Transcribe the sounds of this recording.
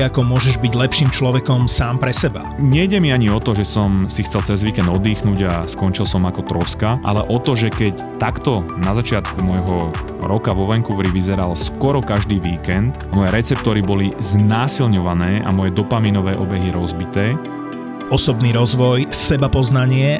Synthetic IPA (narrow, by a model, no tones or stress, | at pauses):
akɔmʊɔʒɛʒbiɟlɛpʃiːmt͡ʃlɔʋɛkɔmsaːmpɾɛsɛba̰ɲɛjɟɛmiaɲiɔt̪ɔʒɛsɔmsixt͡sɛlt͡sɛzʋiːkɛnd̪ɔd̪iːxnuːɟaskɔnt͡ʃilsɔmakɔt̪ɾɔskaʔa̰lɛʔɔt̪ɔʒɛkɛc | t̪akt̪ɔnazat͡ʃɪat̪kumɔjɦɔ | ɾɔkaʋɔʋɛŋkuʋɾiʋizɛɾalskwɔɾɔkaʒd̪iːʋiːkɛnt̪mɔjɛɾɛt͡sɛp̚t̪ɔɾibɔliznaːsilɲɔʋanɛːʔa̰mɔjɛd̪ɔpaminɔʋɛːʔɔbɛɦiɾɔzbit̪ɛː | ɔsɔbniɾɔzʋɔjsɛbapɔznaɲɪɛ